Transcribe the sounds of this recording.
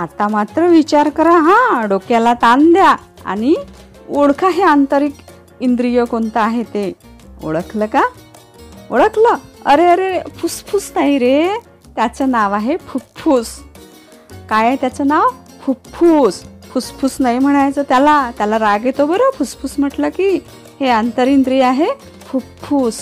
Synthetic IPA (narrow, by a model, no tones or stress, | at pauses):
at̪amat̪ɾəʋit͡ɕaɾkəɾaɦãɖokjalat̪and̪ja | a̰ɽ̃i | oɽkʰaɦeant̪əɾik | ind̪ɾijəkont̪əaɦet̪e | o̰ɭəkʰləka | oɽəkləəɾeəɾefʰuspʰusnaɦiɾe | t̪jat͡sənaʋaɦepʰupfʰuːs | kajaet̪jat͡sənaʋ | pʰupfʰuːspʰuspʰusnaɦim̤əɽ̃ajt͡sət̪jalat̪jalaɾaɡet̪obəɾəpʰuspʰuːsm̤əʈləki | heant̪əɾind̪ɾijaɦe | pʰupfʰuːs